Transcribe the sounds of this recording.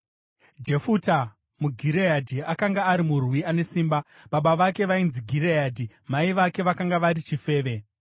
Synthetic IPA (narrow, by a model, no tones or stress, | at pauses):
d͡ʒe̞futa | muɡʱiɾejadʱiakaŋɡaːɾimurwiane̞siːmba | ɓaɓaʋake̞ʋainziɡʱiɾejadʱi | maiʋake̞ʋakaŋɡaʋaɾit͡ʃife̞ːʋe̞